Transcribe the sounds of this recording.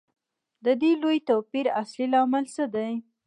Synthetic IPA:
d̪əd̪elojt̪owpiɾaslilɑmɪlsəd̪aj

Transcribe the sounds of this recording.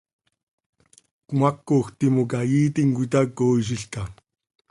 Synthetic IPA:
kmakːoːxt̪imokajiːt̪iŋkʷit̪akoːiʃ̬iɬka

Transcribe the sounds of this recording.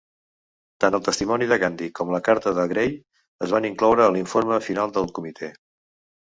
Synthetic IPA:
t̪anəlˠt̪əst̪imɔniðəɣand̪ikɔmləkaɾt̪əðəɣɾej | əzβaniŋklɔwɾəːliɱfoɾməfinalˠd̪əlˠkumit̪ʰe

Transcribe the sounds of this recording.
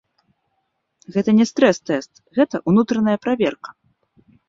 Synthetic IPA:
ɣɛt̪ɐnʲɛst̪ɾɛst̪ɛst̪ | ɣɛt̪ɐʔunut̪ɾɐnɐjɐpɾavʲɛrkɐ̥

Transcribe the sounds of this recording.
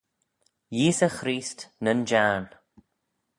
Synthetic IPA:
jiːsəxɾiːstnənd͡ʒan

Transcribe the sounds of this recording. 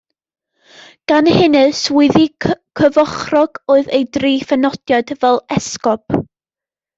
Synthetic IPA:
ɡ̥anhɪnɨswɪðikʰəvɔχrɔɡ̥oːɨðejdriːfɛnɔd̥jɔdvɛlˠɛskɔp

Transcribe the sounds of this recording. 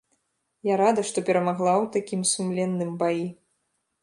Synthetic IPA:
jaɾad̪ɐʂt̪ɔpʲɛɾɐmaɣlˠawt̪akʲimsumlʲɛnːɨmbaji

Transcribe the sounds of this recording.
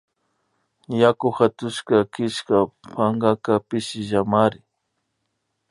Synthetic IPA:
jakʊxat̪ʊʃkakɪʃkapʰaŋɡakapɪʃɪʒamaɾɪ

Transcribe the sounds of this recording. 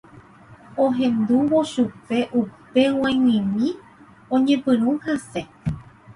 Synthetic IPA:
õɦẽ̞nd̪uʋo̞ʃupe̞ʔupe̞w̃ãjwĩmĩ | õɲẽ̞pɨ̃ɾ̃ũhase̞

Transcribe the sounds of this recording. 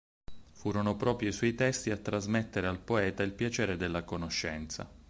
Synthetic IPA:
fuːɾonopɾɔːpɾjoiswɔjt̪ɛst̪iat̪ːɾazmet̪ːeɾealpoɛːt̪ailpjat͡ʃɛːɾed̪elːakonoʃːɛnt̪sa̰

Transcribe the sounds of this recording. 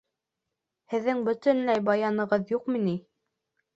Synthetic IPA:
hɘ̆ðːɘŋbɵ̆t̪ɵnlæjbɑjɑnɤ̆ʁɤðjuqmini

